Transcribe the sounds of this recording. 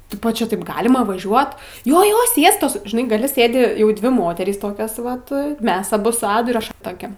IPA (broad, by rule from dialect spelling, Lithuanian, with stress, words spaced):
ˈtʲɪpoː ˈt͡ʃʲɛ ˈtɐɪp ˈɡɑːlʲɪmɐ ʋɐˈʒʲuɔt ˈjoː ˈjoː ˈsʲiɛstoːs ʒʲɪˈnɐɪ ɡɐˈlʲɪ ˈsʲeːdʲɪ jɛʊ ˈdʲʋʲɪ ˈmoːtʲɛrʲiːs ˈtoːkʲoːs ˈʋɐt ˈmʲɛs ɐˈbʊ sʊ ˈɑːdʊ ɪr ˈɐʃ ˈtoːkʲɛ